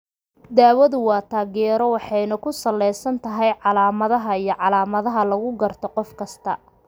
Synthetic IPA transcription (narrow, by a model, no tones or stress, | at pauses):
d̪aːwɐðʊwɑːt̪ʰaːɣɛːɾɔwɑħɑjnɐkʰʊsɐlːɛjsɐnt̪ʰɐɦɛjʕɑlaːmɐðɐɦɐijɔʕɑlaːmɐðɐɦɐlɐɣʊɡɐrt̪ʰɔqɔfkʰɐst̪ʰɐ